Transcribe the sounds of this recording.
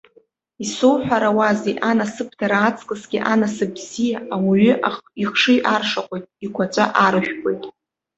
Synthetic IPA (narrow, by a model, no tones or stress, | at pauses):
isowħʷᶣaɾawazejʔanasɨp̚ʰdʰaɾaːt͡sʼkʼɨsɡʲɪʔanasɨbzijaawiʏʔaχiχʂɨʔarʂaqʷʼojtʼikʷʰat͡ʃʷʼa̰ʔaɾɨʃᶣkʷʼo̞jtʼ